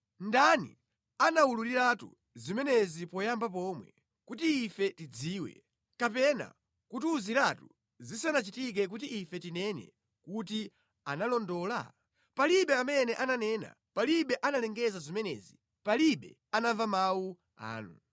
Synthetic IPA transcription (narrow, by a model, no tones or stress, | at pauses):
ndanḭ | anawululiɾatṵ | zimɛnɛzipɔjambap̬ɔmwɛ̰ | kutiːfɛtid͡ziːwɛ̰ | kapɛna̰ | kutuziɾatu | zisanat͡ʃitik̬ɛk̬ut̬iʔːfɛtinɛnɛ̰ | kuti | analɔndɔla̰ | paliɓɛamɛnɛʔananɛna̰ | paliɓɛʔanalɛŋɡɛzazimɛnɛ̰zi | paliɓɛ̰ | anavamawu | a̰ːnu